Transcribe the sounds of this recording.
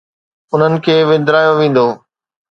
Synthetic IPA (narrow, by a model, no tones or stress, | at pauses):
ʊn̤ənɪ̆kʰeːʋɪ̃nd̪ɾaːjoʋẽːn̆d̪oː